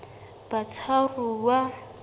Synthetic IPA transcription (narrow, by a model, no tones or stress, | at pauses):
b̥at͡sʰaruwa